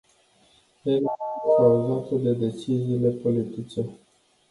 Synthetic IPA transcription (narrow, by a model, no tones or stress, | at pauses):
elkauzat̪əd̪e̞d̪e̞t͡ʃiziːle̞po̞lit̪it͡ʃe̞